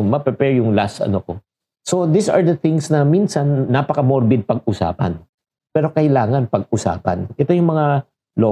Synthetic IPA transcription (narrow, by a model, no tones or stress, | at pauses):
mɐɡ̚pɛpɛɹjʊŋlasɐ̰noko | so̞d̪isɐ̰ɹd̪ɐθɪŋsnɐminsɐnːapɐkɐmoɹbɪd̪̚pɐɡ̚ʔʊsa̰ːpɐ̰n | pɛːɾo̞kɐjlaːŋɐnpɐɡ̚ʔʊsa̰ːpɐ̰nʔɛt̪ojʊŋmɐŋa | lo